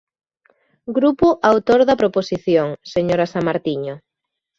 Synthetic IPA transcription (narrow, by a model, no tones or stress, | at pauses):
ɡɾupʊʔawt̪oɾðɐpɾoposiθjoŋseɲoɾasamaɾt̪iɲʊ